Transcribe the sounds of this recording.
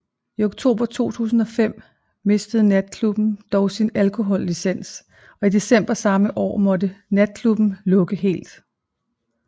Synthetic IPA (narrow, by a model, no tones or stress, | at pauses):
ioɡ̥̚t͡sʰo̝̰ːb̥ɐt͡sʰo̝̰ːt͡sʰṵːsn̩ɒ̽fem̰ | me̝sd̥əð̞̩ˠnæd̥̚kʰlub̥n̩d̥ɒʊsinælkʰo̝ɦɒ̽lːisen̰s | ɒ̽id̥e̝sem̰b̥ɐsɑ̈məʔɒ̰ːmɒ̽dənæd̥̚kʰlub̥n̩lɔ̽ɡ̥əɦe̝̰ːld̥